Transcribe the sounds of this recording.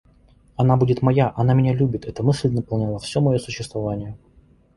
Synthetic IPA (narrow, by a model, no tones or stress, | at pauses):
ɐn̪abudʲɪt̪mɐjaʔɐnamʲɪnʲalʲubʲɪt̪ɛt̪əmɨsʲlʲnəpɐlˠnʲalˠafsʲomɐjosʊɕːɪst̪vɐvanʲɪjə